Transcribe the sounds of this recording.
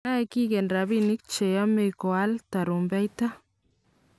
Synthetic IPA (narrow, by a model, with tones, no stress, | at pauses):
a˦eki˦ke˨nɾa˨βini˦k̚t͡ʃe˨ja˦me˨ko˨a˦lt̪a˨ɾu˨mba˦jt̪a˦